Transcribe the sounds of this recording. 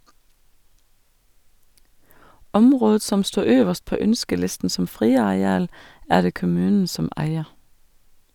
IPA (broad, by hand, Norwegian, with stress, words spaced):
ˈɔmʁoːd ˈsɔm ˈstuː ˈøːʋəʃt ˈpoː ˈœnskəˌlɪstn̩ sm̩ ˈfʁiːɑɛˌɑːl ˈæː ˈɖeː kʊˈmʉːn̩ ˈsɔm ˈʔæɪə